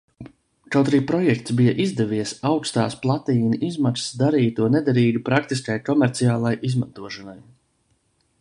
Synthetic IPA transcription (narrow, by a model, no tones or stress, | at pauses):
kawt̪ɾiːpɾɔjɛkt̪sbijaʔizd̪ɛviɛsawkst̪aːsplˠat̪iːniʔizmaksd̪aɾiːt̪uɔnɛd̪aɾiːɡupɾakt̪iskajkɔmɛɾt̪siaːlˠajʔizmant̪uɔʃɔnaj